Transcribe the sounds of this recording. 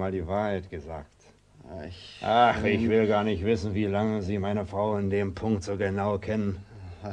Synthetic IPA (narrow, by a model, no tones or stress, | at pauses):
maːldiːvaːɐhaɪtɡ̥əza̰ːk̚t | ɪʔaχɪçv̥ɪlɡaːɐnɪçtv̥ɪsn̩viːlaŋəziːmaɪnəfʁ̥aʊɪndeːmpʰʊŋktz̥oːɡənaʊkʰɛnən